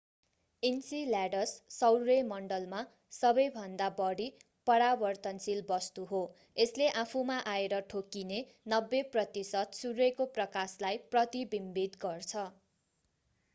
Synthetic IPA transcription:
insilaɖʌsːʌwɾemʌɳɖʌlma | sʌbʌjbʱʌnd̪abʌɽi | pʌɾabʌrt̪ʌnsilbʌst̪uɦo | esleʔapʰumaʔaeɾʌʈʰokine | nʌbːeprʌt̪isʌt̪suɾuekoprʌkaslajprʌt̪ibimbid̪ɡʌrt͡sʰʌ

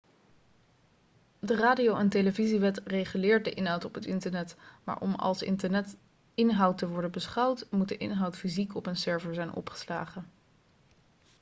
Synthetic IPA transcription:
dəraːdiowənteləviziʋɛtrejχylɪːɹt̚dəʔɪnɦɑwtɔpɦətɪntəɹnɛtma̰ːɹʔɔ̰mɑ̰lˠsɪ | ɪnɦʌwtəʋɔɹdənbəsχɑwtmut̚dəʔɪ̰nɦɑwtfizikɔpənsɛɹvəɹzɛjnʔɔ̰pχə̥sla̰ːχən

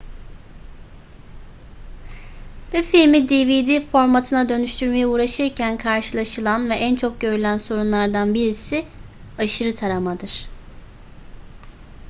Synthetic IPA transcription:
bɛfilʲmid̪ivid̪ifo̞ɾmat̪ʰɯnad̪ø̞nyʃt̪ʰyɾme̞jiuːɾaʃɯɾcʰænkʰaɾʃɯlˠaʃɯlˠanvɛʔænt͡ʃʰo̞k̚ɟø̞ɾylʲænso̞ɾunlˠaɾd̪anbiɾisi | aʃɯɾɯt̪ʰaɾamad̪ɯɾ̥

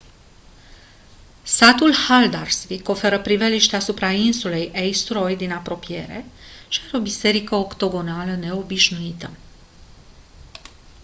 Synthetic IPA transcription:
sat̪ulhald̪arsviko̞fe̞ɾəpɾiveliʃt̪easupɾainsule̞jejst̪ɾo̞jd̪inapɾo̞pije̞̰ɾe̞̰ʃiaɾeo̞bise̞ɾikəo̞kt̪o̞ɡo̞naləne̞o̞biʃnuit̪ə

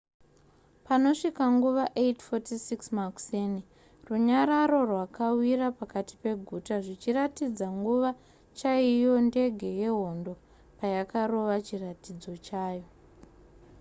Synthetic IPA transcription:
pano̞ʂikaŋɡuʋaʔetfotisiksmakseni | ruɲaɾaɾo̞rwakawiɾapakati̥pe̞ɡʱutaʐit͡ʃiratid͡zaŋɡuʋa | t͡ʃaijo̞nde̞ɡʱe̞je̞ɦo̞ndo̞ | pajakaro̞ʋat͡ʃiratid͡zo̞t͡ʃaːjo̞

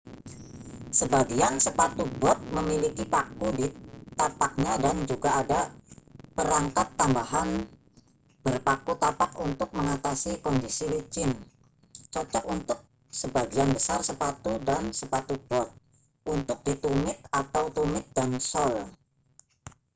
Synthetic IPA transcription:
səbaɡiansəpat̪ubɔt̪̚məmilikipakudit̪apak̚ɲadand͡ʒuɡaːda | pəɾaŋkat̪ːambaɦan | b̥ərpakut̪apakunt̪ʊk̚məŋat̪asikɔndisilit͡ʃɪn | t͡ʃɔt͡ʃɔkunt̪ʊk̚ | səbaɡianbəsarsəpat̪udansəpat̪ub̥ɔt̪̚ | ʔunt̪ʊk̚dit̪umɪt̪̚at̪awt̪umɪt̪̚d̥ansɔl

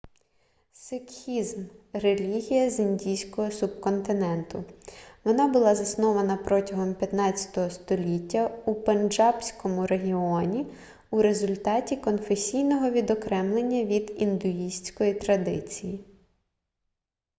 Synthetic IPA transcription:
sɪkxʲizmrelʲiɦʲijɐzinʲdʲijsʲkɔɦɔsub̚kɔnt̪ɪnɛnt̪ʊʋɔnɑbʊlˠɑzɐsnɔʋɐnɐpɾɔtʲɐɦɔmpʲjɐt̪nɑt͡st͡sʲɐ̥t̪ɔɦɔst̪ɔlʲitʲːɐupend͡ʒɑpsʲkɔmʊɾeɦʲiɔnʲi | uɾezʊlʲt̪ɑtʲikɔnfesʲijnɔɦɔʋʲid̪ɔkɾɛmlˠenʲːɐʋʲid̪ind̪ʊisʲt͡sʲkɔjit̪ɾɐd̪ɪ̰t͡sʲiji

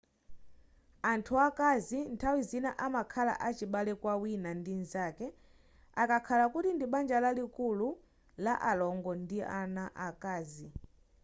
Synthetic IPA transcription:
antʰuakazintʰawizinaʔamakʰala̰ʔat͡ʃiɓalɛkwawinandinzakɛ | akakʰalakutindiɓand͡ʒalalikulu | laʔalɔŋɡɔndianaʔakaːzi

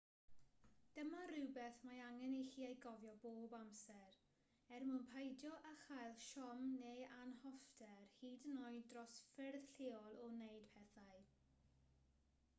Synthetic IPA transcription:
d̥əmarɪwbɛθmajaŋɛnixiːejɡɔvjɔboːbamsɛr | ɛrmʊnpʰajdjɔʔaχajlˠʃɔmneanhɔfdɛrhiːdənɔjdrɔsfɪrð̥ɬeːɔlˠɔnejd̥pʰɛθaj

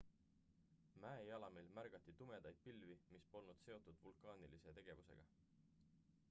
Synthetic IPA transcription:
mæːejɑlɑmilmærɡ̥ɑt̪ːˑit̪ume̞d̪̥ɑjd̪̥̚pilvimispo̞lnud̪̥se̞o̞t̪ːˑud̪̥vulkˑɑːnilise̞t̪e̞ɡ̥e̞vuse̞̰ɡ̥ɑ

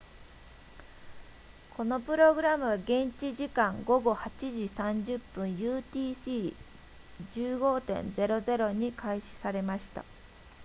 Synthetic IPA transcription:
kʰo̞no̞pɯ̟ɾo̞ɡɯ̟ɾamɯ̟aɡẽ̞ɲt͡ɕiʑikãŋɡo̞ɡo̞hat͡ɕiʑisãɲd͡ʑɨpːɯ̟̃ɰ̃jɯːt̪ʲiːsiː | d͡ʑɨːɡo̞ːt̪ẽ̞̰nd͡ze̞ɾo̞ze̞ɾo̞ɲ̟ikʰaiɕi̥saɾe̞maɕi̥t̪a̰

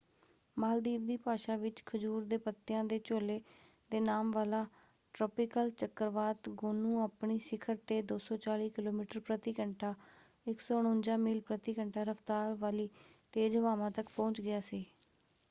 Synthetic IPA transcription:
maːld̪iːʋd̪iːpaːʃaːʋɪt͡ʃkʰəd͡ʒuːɾd̪eːpət̪ːɪjãːd̪eːt͡ʃoːleː | d̪eːnaːmʋaːlaː | ʈɾɔːpɪkəlt͡ʃəkəɾʋaːt̪ɡʊnũːaːpɳiːsɪkʰəɾt̪eːd̪oːsɔːt͡ʃaːliːkɪloːmiːʈəɾpɾət̪iːkəɳʈʰaː | ɪksɔːɽ̃ʊ̃ːnd͡ʒãːmɪlpɾət̪iːkəɳʈʰaːɾəft̪aːɾʋaːliːt̪eːd͡ʒəʋaːʋãːt̪əkpɔ̃ːɲt͡ʃɡɪaːsiː

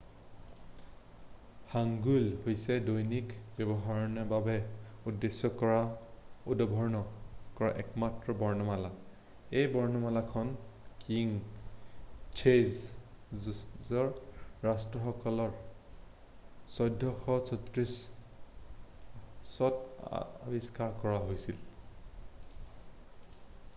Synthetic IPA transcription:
haŋɡulhojsɛdojnikbɛbɔɦaɹɔnɔbabɛudːesːɔkɔɹaudɔbʱɔɹnɔkɔɹaʔɛkmatɹɔbɔɹnɔmala | ejbɔɹnɔmalakʰɔnkiŋ | t͡ʃʰez | zɔɹːastɹɔxɔkɔlɔɹ | sɔjdʱːɔxɔsʰɔtɹis | ɔta̰biskaɹkɔɹaɦojsil

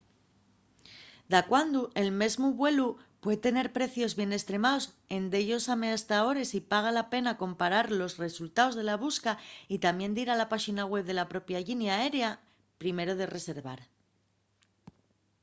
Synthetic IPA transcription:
d̪akwand̪uʔe̞lme̞zmuβwe̞lupwe̞ðt̪e̞ne̞ɾpɾe̞θjo̞zβje̞ne̞st̪ɾe̞maos | e̞nd̪e̞ʎo̞same̞ast̪ao̞ɾe̞sipaɣ̞alape̞nako̞mpaɾaɾlo̞sre̞sult̪ao̞zðe̞laβ̞uskait̪amje̞nd̪iɾalapaxinaɣwe̞βðe̞lapɾo̞pjaʎinjae̞ɾea | pɾime̞ɾo̞ð̞e̞re̞se̞ɾβa̰ɾ

